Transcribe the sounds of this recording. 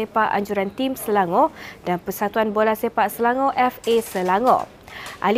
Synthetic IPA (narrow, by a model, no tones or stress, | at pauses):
epaʔa̰ɲd͡ʒuɾant̪imsəlaŋɔ̃d̥anpərsat̪uanbolasepaʔsəlaŋɔ̃ʔɛfesəlaŋɔ̰̃ | ʔa̰l